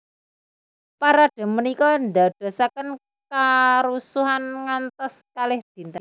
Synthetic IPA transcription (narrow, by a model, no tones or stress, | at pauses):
paɾaɖ̥a̤mənikɔnd̪a̤ɖ̥a̤sakən | kaɾusuɦanŋant̪ɔskalɪhd̪̥i̤nt̪əŋ